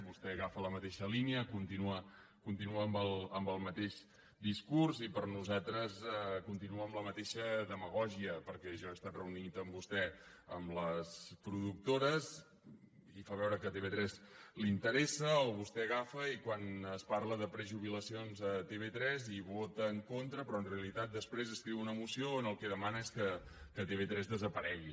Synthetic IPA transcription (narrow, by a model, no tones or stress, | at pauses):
βust̪ɛɣafələmət̪eʃəliniəkunt̪inuə | kunt̪inuəːmbəlˠəmbəlˠmət̪eʃ | d̪iskurzipəɾnuzat̪ɾəzɛkunt̪inuəmləmət̪eʃəðəməɣ̞ɔʒiəpəɾkɛʒɔəst̪at̪rəunit̪əmbust̪ɛəmləspɾuðuk̚t̪oɾəz | ifaβɛwɾəkət̪eβet̪ɾɛzlint̪əɾɛsəəolβust̪ɛɣafəikwanəsparləðəpɾəʒuβ̞iləsionzət̪eβet̪ɾɛziβot̪əːŋkont̪ɾəpɾɔənreəlit̪at̪̚d̪əspɾezəskɾiwunəmusioənəlˠkɛðəmanəeskə | kət̪eβet̪ɾɛzðəzəpəɾɛɣi